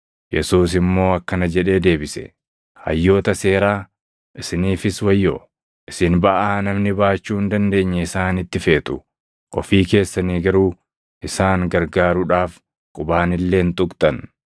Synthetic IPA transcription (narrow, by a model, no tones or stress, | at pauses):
jɛsuːs̬ɪmːo̞ːɐkːɐnɐd͡ʒɛᶑe̞ːd̪e̞ːbɪsɛ̥̰ | hɐ̰jːo̞ːt̪ɐse̞ːɾaː | ʔɪsɪniːfɪswɐjːo | ʔɪsɪnbɐʔaːnɐmnɪbaːt͡ʃːuːhɪnd̪ɐnd̪e̞ːɲːɛɪsaːnɪt̪ːɪfe̞ːt̪ʊ | ʔɔfiːke̞ːsːɐniːɡɐɾuː | ʔɪsaːŋɡɐɾɡaːɾʊᶑaːf | kʼʊbaːnɪlːe̞ːnt̪ʼʊkʼt̪ʼɐn